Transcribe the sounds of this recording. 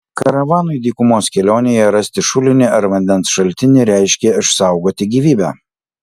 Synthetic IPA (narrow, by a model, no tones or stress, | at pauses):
kɐɾɐʋɑːnʊɪd̪ʲiːkʊmoːskʲɛlʲoːnʲejɛɾɐsʲt̪ʲɪʃʊlʲɪnʲɪɐɾʋɐnʲd̪ʲɛnsʃɐlʲt̪ʲɪnʲɪɾʲæˑɪʃʲkʲeɪʃsɑˑʊɡoːt̪ʲɪɡʲiːʋʲiːbʲæ̰ː